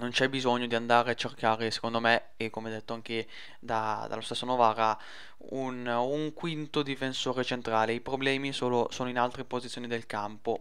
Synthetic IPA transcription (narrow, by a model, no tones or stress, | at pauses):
nont͡ʃɛbizoɲːod̪iand̪aːɾeat͡ʃːerkaːɾese̥kond̪ome | ekːomeɛd̪ːet̪ːoaŋk̟e | d̪ad̪alost̪esːonovaːɾa | unuŋkwint̪od̪ifensoːɾet͡ʃent̪ɾaːleipɾoblɛːmisoːlosoːnoinalt̪ɾepozit̪sjonid̪elkampo